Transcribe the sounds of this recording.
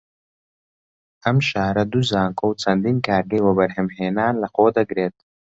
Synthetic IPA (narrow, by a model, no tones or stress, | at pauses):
ɐmʃaːɾɐd̪uzaːŋkʰowt͡sʰɐnd̪inkaːɾɡɐjwɐbɐɾɦemheːnaːnlɐxoːd̪ɐɡɾeːt̪̚